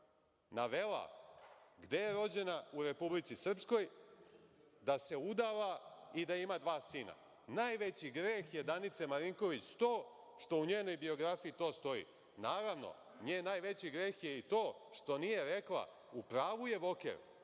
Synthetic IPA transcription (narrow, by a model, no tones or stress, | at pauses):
naʋe̞la̰ | ɡd̪e̞jeɾo̞d͡ʑe̞nauɾe̞publitsisr̩psko̞j | d̪ase̞ud̪aʋaid̪aimad̪ʋaːsiːna̰ | naːjʋet͡ɕiɡɾeːxje̞d̪anit̪semaɾiŋko̞ʋit͡ɕt̪o̞ː | ʃt̪o̞uɲe̞ːno̞jbio̞ɡɾafiit̪o̞ːst̪o̞ḭ | naːɾaʋno̞̰ | ɲeːnajʋe̞t͡ɕiɡɾe̞ːxje̞it̪o̞ːʃt̪o̞nije̞ɾe̞klˠa̰ | upɾaːʋuje̞ʋo̞kḛɾ